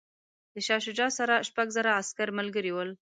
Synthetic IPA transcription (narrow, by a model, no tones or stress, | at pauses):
d̪əʃɑʃ̬ɪd͡ʒɑsaɾaʃpaɡzaɾaːskaɾmalɡəɾiwəl